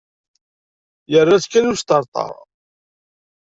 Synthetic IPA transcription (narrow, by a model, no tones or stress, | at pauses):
jərːaskːænust̪əɾˤt̪ˤɑ̰ɾˤ